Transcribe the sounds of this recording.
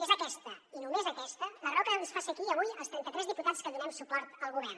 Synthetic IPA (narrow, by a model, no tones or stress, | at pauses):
ezəkɛst̪əinumezəkɛst̪ələrɔkəlðisfasiəkiəβujəlˠst̪ɾɛnt̪ət̪ɾɛzðiput̪at͡skəðunɛmsupɔɾt̪əlˠɣuβ̞ɛr